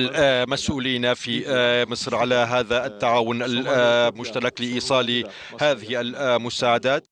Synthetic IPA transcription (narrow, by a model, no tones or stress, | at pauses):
lmasʔuːliːnafimɨsˤɾʕalaɦaːðaʔɪt̪ːaʕaːwʊnalmʊʒt̪alɑklɪʔiːsˤɑːli | haːðɪhɪalmʊsaːʕad̪aːt̪